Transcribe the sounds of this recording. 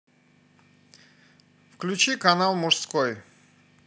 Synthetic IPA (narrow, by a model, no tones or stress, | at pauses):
fklʲʉt͡ɕikɐnalˠmʊʐskoj